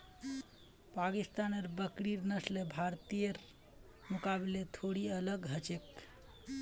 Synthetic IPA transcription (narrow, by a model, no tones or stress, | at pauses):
pakist̪anəɾbəkɾiɾnəslebʱaɾt̪ijəɾ | mukabilet̪ʰoɽiələɡɦət͡ʃek